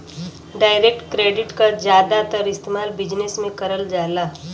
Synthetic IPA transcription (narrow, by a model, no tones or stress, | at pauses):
ɖaːɪɾek̚ʈkɾeːɖɪʈkad͡ʒjaːd̪at̪əɾɪst̪eːmaːlbɪd͡ʒnesmẽkəɾəld͡ʒaːlaː